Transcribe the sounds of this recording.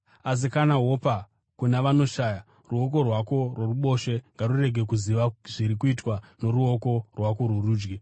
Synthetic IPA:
as̬ikanaɦo̞pa | kunaʋano̞ʃaːja | ruo̞k̬o̞rwako̞rworuɓo̞ʃe̞ŋɡarure̞ɡʱe̞k̬uziʋaʐiɾikuitwano̞ɾuo̞ko̞rwako̞rwuruːd͡ʒɡe

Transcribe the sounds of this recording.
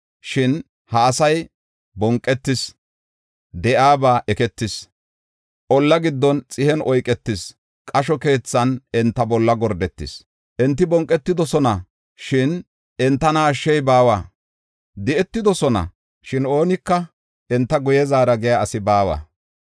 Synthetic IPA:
ʃɪn | hɐːsɐj | bɔŋkʼːɛt̪ːɪs | d̪ɛʔaːbaːʔɛkɛt̪ːɪs | ʔɔlːɐɡɪd̪ːɔnt͡sʼɪhɛnɔjkʼɛt̪ːɪs | kʼɐʃɔke̞ːt͡sːɐnɛnt̪ːɐbɔlːɐɡɔɾd̪ɛt̪ːɪs | ʔɛnt̪ːɪbɔŋkʼːɛt̪ːɪd̪ɔsɔnɐ | ʃɪn | ɛnt̪ːɐnaːʃːɛjbaːwaː | d̪ɪʔɛt̪ːɪd̪ɔsɔnɐ̰ | ʃɪno̞ːnɪkːɐ | ɛnt̪ːɐɡʊjɛzaːɾɐɡɪjaɐsɪbaːwa̰ː

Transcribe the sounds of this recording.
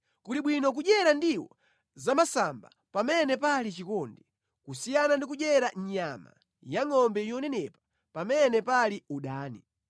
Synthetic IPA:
kuliɓwinɔk̬uʄɛɾandiwɔ̰ | zamasamba | pamɛnɛpalit͡ʃikɔndi | kusijanandik̬uʄɛɾaɲɲama̰ | jaŋɔmbɛjɔnɛnɛpḁ | pamɛnɛpaliuɗaːni

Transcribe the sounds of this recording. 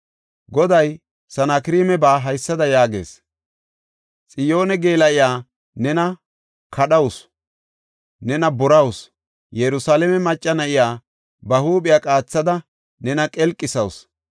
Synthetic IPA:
ɡɔd̪ɐj | sɐnakɪɾiːmɛbaːɦɐjsːɐd̪ɐjaːɡe̞̰ːs | t͡sʼɪjo̞ːnɛɡeːlɐʔɪjaː | nɛnɐ | kʰɐɗɐwʊs | nɛnɐbɔɾɐwʊs | jɛɾʊsaːlɛmɛmɐt͡ʃʼːɐnɐʔɪjaː | bɐhuːɓɪjakʼaːt͡sːɐd̪ɐ | nɛnɐkʼɛlkʼːɪsɐws

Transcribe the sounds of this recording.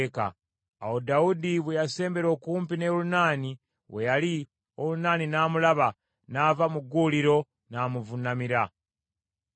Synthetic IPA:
ka̰ː | wodaudiβwejase̞ːmbe̞ɾo̞ːkuːmpine̞lunaːni | we̞jali | o̞lunaːninaːmulaβa | naːvamuɡuliɾo̞ | naːmuvunamiɾa

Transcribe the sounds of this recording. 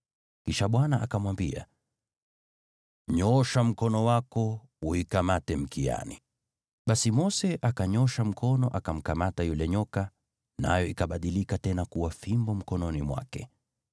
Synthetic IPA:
kiʃaɓwanaʔakamwambia̰ | ɲɔʃam̩kɔnɔwakɔ | uikamatɛm̩kia̰ni | ɓasimɔsɛʔakaɲɔʃam̩kʰɔnɔʔakam̩kamatajulɛɲɔka | na̰jɔikaɓaɗilikatɛnakuwafimbɔm̩kɔnɔnimwa̰kɛ̰

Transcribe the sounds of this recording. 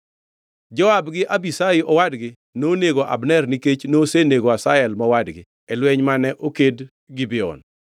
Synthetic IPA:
d͡ʒɔabɡɪʔabisaɪʔɔwadɡɪ | noneɡoʔa̰bnɛrniket͡ʃnoseneɡoasaɛlmɔwadɡɪ | ɛlwɛɲmanɛʔoked | ɡibɛɔ̰n

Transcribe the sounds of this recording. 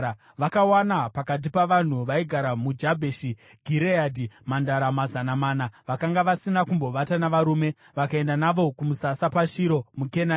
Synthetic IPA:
ʋakawanapakat̬ipaʋan̤uʋaiɡʱaɾamud͡ʒabʱeʃi | ɡʱiɾeadʱimandaɾamazanamaːnaʋakaŋɡaʋasinakumbo̞ʋatanaʋaɾuːme̞ | ʋakae̞ndanaʋo̞kumusasapaʃiɾo̞mukena

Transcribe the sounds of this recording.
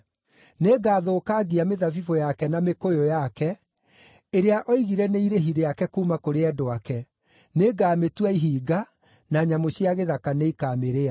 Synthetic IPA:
neɡaːðoːkaɡiameðafifojakɛnamekojojakɛ | eɾeaʔɔiɣiɾɛneiɾeɦiɾeakɛkuːmakoɾeɛdoakɛ | neɡaːmetwaiɦiːɡa | naɲamoɕjaɣeðakaneikaːmeɾea

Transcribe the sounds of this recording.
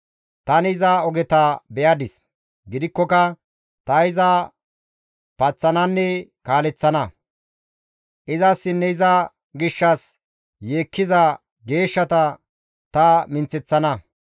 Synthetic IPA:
t̪ɐnɪzɐɔɡɛt̪ɐbɛjɐd̪ɪs | ɡɪd̪ɪkːɔkɐ | t̪ɐɪzɐ | pɐt͡sːɐnɐnːɛkaːlɛt͡sːɐnɐ | ʔɪzɐsːɪnːɛɪzɐ | ɡɪʃːɐs | jeːkːɪzɐ | ɡe̞ːʃːɐt̪ɐ | t̪ɐmɪnt͡sːɛt͡sːɐnɐ

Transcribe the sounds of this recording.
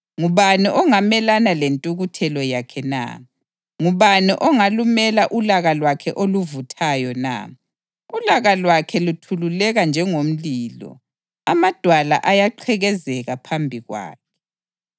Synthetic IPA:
ŋuβaniʔɔŋamɛlanalentʼuɣutʰɛlɔjakʰɛna̰ | ŋuβaniʔɔŋalumɛlaʔulaɣalwakʰɛʔoluvutʰajɔna̰ | ulaɣalwakʰɛlutʰululɛɣand͡ʒʱɛŋom̩liːlɔ̰ | amad̥ʱwala̰ʔajaǃʰɛɣɛzɛɣapʰambʱiɣwa̰ːkʰɛ̥

